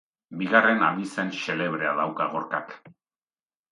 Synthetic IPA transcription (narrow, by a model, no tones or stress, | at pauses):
biɣare̞naβise̞nʃe̞le̞β̞ɾe̞a̰ðawkaɣo̞ɾka̰k